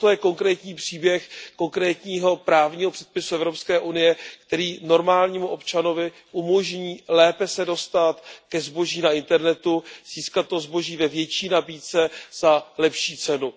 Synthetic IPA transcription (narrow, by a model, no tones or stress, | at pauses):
t̪ojɛko̞ŋkɾɛːt̪ɲiːpr̥iːbjɛxko̞ŋkɾɛːt̪ɲiːɦo̞pɾaːvɲiːɦopr̥ɛ̥t̪̚pɪsuɛvɾo̞pskɛːʔunɪjɛkt̪ɛɾiːno̞ɾmaːlɲiːmuʔo̞pt͡ʃano̞vɪ | ʔumo̞ʒɲiːlɛːpɛsɛdo̞st̪at̪kɛzbo̞ʒiːnaɪnt̪ɛɾnɛt̪uz̥iːskat̪̚ːozbo̞ʒiːvɛvjɛt͡ʃiːnabiːt͡sɛz̥alɛpʃiːt͡sɛnu